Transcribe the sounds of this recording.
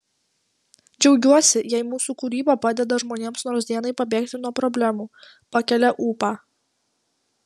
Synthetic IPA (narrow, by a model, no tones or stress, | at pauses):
d͡ʒʲɛʊɡʲuɔsʲɪjɛɪmuːsuːkuːɾʲiːbɑpɑːd̪ʲɛd̪ɐʒmoːnʲeːmsnoːɾsd̪ʲiɛnɐɪpɐbʲeːkt̪ʲɪnuɔpɾɔbʲlʲæmuː | pɐkʲɛlʲɛʔuːpaː